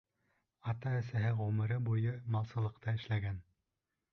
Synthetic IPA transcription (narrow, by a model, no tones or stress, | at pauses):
ɑt̪ɑæsæɦɘʁɵmɘ̆ɾɘbujɤmɑlˠsɤ̆lˠɤ̆qt̪ɑɘ̆ʃlæɡæn